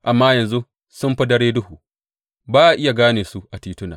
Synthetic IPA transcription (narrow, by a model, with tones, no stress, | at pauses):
ʔa˨mːaː˦jɐ˨nzu˦ | sʊ˦mɸɐ˦dɐ˦ɽeː˦dʊ˦huː˨ | baː˦ʔa˨ʔɪ˦ja˨ɡaː˦neː˨su˦ʔa˨tiː˦tʊ˦naː˨